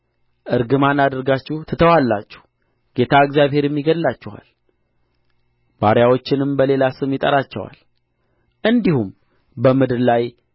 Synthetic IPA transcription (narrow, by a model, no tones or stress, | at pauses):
ʔɨɾɡɨmanad̪əɾɡat͡ʃːuht̪ʰət̪ʰəwalːat͡ʃːɛ̥h | ɡ̥e̞t̪ʰaɨɡzjaβhe̞ɾjɛmːiɡəd̪lat͡ʃːɪha̰l | baɾjawo̞t͡ʃːɪnɨmbəle̞lasɨmjɪt̪ʼə̰ɾat͡ʃːɛwa̰l | ʔɨnd̪ihum | bəmɨd̪ɨɾlaj